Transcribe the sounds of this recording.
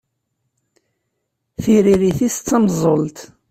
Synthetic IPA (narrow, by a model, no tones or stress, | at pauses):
θiɾiɾiθist͡sːɑmzˤolt̪